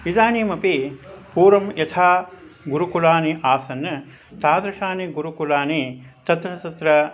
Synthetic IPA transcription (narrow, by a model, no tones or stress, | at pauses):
id̪aːniːmɐpipuːɾɐmjɐt̪ʰaːɡuɾukulaːniʔaːsɐnɐ | t̪aːd̪ɾɐʃaːniɡuɾukulaːnit̪ɐt̪ɾɐt̪ɐt̪ɾɐ